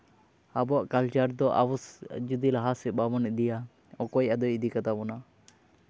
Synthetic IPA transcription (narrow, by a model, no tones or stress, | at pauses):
abɔʔkalt͡ʃaɾd̪ɔʔa̰wɔsd͡ʒud̪ilaɦasɛbabɔnɛd̪ija | ɔkɔjad̪ɔid̪ikat̪abɔna